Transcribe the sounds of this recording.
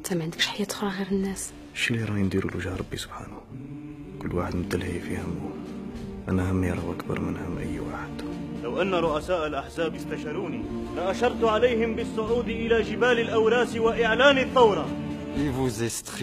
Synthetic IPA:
t̪ʰæmʕənd̪əkʃħajːæt̪xɾˤɑɣiɾənːæs | ʃiliɾˤɑind̪iɾṵlwəʒhæɾˤɑbːisʊ̥b̥ħa̰nh | kʊlːwaħəd̪mət̪ːəlhifihəmːu | ʔænæhəmːiɾˤɑʔækbɑ̰ɾˤmənhəmːʔə̰jːwa̰ħəd̪̥lawʔanːaɾˤʊʔasaːʔalʔaħzaːbjɪst̪aʃɑɾuːnilaʔaʃɑɾˤt̪ʊʕalajhɪmbəsˤːʊʕuːd̪ʔɪlaʒɪbaːlɪlʔawɾaːswaʔɪʕlaːnt̪ːɑwɾˤɑ | ivuzest̪

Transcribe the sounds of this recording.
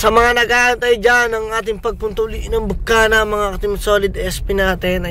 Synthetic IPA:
sɐmɐŋanɐɡaːʔɐnt̪ɐjd͡ʒanɐŋʔaːt̪̬ɪŋpɐɡ̚pʊnt̪ʊliʔɪnɐŋbʊkːanɐmɐŋaʔɐt̪ɪŋsoːlɪd̪ʔɛspɪnaːt̪ɪnɐ

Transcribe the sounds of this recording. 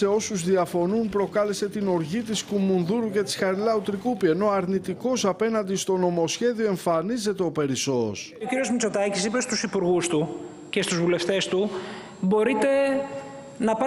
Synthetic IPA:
e̞o̞suzðiɐfo̞numpɾo̞kɐle̞se̞t̪ino̞ɾʝit̪iskumunðuɾuce̞t̪i̥sxɐɾilɐut̪ɾikupie̞no̞ɐɾnit̪iko̞sɐpe̞nɐnd̪ist̪o̞no̞mo̞sçe̞ðio̞e̞ɱfɐnize̞t̪e̞o̞pe̞ɾiso̞̰s | ociɾio̞zmit͡so̞t̪ɐcisipe̞st̪usipuɾɣust̪u | ce̞st̪uzvule̞ft̪e̞st̪u | bo̞ɾit̪e̞ | nɐpɐ

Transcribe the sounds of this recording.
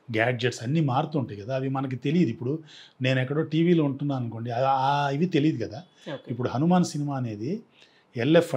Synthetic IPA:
ɡaːd͡ʒeʈsɐnːiːmaːɾt̪uːɳʈejiɡɐd̪aːɐʋimɐnɐk̬it̪e̞lijid̪uipːuɽune̞ːnɛkːɐɽoːʈiːʋiːlouɳʈunːaːɐnko̞ːɳɖiɐiʋit̪elijd̪ikɐd̪aː | oipːuɽuɦɐnumaːnɐsinimaːɐne̞ːd̪i | ɛlːepʰ

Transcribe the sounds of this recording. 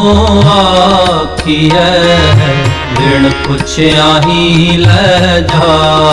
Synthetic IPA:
aːkʰiɦɛ | ʋɪɽpʊt͡ʃʰeaːɦilɛd͡ʒaː

